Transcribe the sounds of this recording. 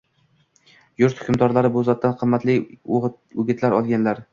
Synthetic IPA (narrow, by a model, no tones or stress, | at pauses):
jʊɾt̪hʊkʰʲʊmd̪ɒɾlaɾɪbʊzɒt̪ːanqʰɨmːat̪lɪ | ʊɡʲɪt̪laɾɒlˠɡʲanlaɾ